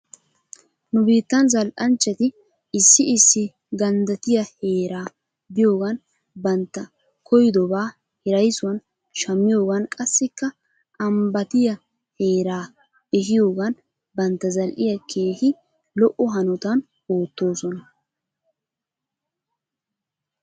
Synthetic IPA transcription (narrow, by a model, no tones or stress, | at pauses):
nʊbiːt̪ːɐnzɐlʔɐnt͡ʃːɛt̪ɪ | ɪsːɪɪsːɪ | ɡɐnd̪ɐt̪ɪjɐhe̞ːɾaː | bɪjo̞ːɡɐn | bɐnt̪ːɐ | kʰɔjd̪ɔbaː | hɪɾɐjsʊwɐn | ʃɐmːɪjo̞ːɡɐnkʼɐsːɪkːɐ | ʔɐmbɐt̪ɪjɐ | he̞ːɾaː | ɛhɪjo̞ːɡɐn | bɐnt̪ːɐzɐlʔɪjɐkʰeːhɪ | lɔʔːɔɦɐnɔt̪ɐn | oːt̪ːo̞ːsɔnɐ